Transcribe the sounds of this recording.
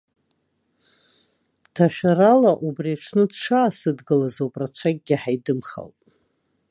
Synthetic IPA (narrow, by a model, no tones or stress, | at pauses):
tʰaʃᶣaɾalaʔubriaʂʰnɨdʂaːsɨdɡɨlazowpʼrat͡ɕʷʰaɡ̚ʲɡʲɪħajdɨmχa̰ltʼ